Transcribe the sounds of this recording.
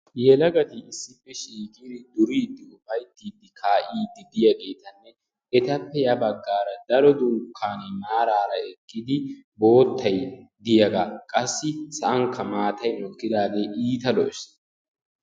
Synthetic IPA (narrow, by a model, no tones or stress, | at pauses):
jɛlɐɡɐt̪ɪːsːɪpːɛʃiːkʼiːd̪ɪd̪ʊɾiːd̪ːɪʊfɐjt̪ːiːd̪ːɪkʰaːʔiːd̪ːɪd̪ɪjɐɡe̞ːt̪ɐnːɛ | ɛt̪ɐpːɛjɐbɐɡːaːɾɐd̪ɐɾɔd̪uːkʰːaːnemaːɾaːɾɐɛkʼːɪd̪ɪ | bo̞ːt̪ːɐjd̪ɪjɐɡakʼɐsːɪsɐʔɐŋkːɐmaːt̪ɐjnɔkːɪd̪aːɡeːʔiːt̪ɐlɔs